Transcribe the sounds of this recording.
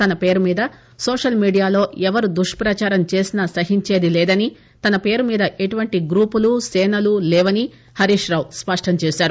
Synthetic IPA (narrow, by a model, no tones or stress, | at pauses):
t̪ɐnɐpeːɾumiːd̪ɐ | soːʂɐlmiːɖijaːlo̞ːɛʋɐɾud̪uʂʈpɾɐt͡ʃaːɾɐmt͡ʃe̞ːsinaːsɐɦiɲt͡ʃe̞ːd̪ilɛːd̪ɐni | t̪ɐnɐpe̞ːɾumiːd̪ɐʔeʈuʋɐɳʈiɡɾuːpulusɛːnɐlulɛːʋɐni | hɐɾiːʂɾaːwspɐʂʈɐmt͡ʃeːsaːɾu